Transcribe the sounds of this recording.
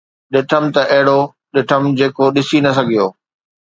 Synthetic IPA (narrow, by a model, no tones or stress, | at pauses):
ɗɪʈʰəmt̪ɐʔɐɦɪɽo | ɗɪʈʰəmd͡ʑeːkoɗɪsinɐs̬ɐɡʱijoː